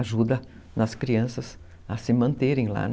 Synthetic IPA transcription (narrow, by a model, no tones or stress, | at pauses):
ʒud̪ɐ | nɐskɾiɐ̃sɐs | ɐsɪmɐ̃nt̪eɾẽj̃la̰